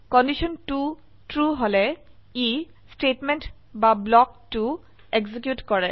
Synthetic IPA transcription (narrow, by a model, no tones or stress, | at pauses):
kɔndisɔntu | tɹuɦolɛi | stetment | bablɔk̚tu | eɡzik̬jutkɔɹɛ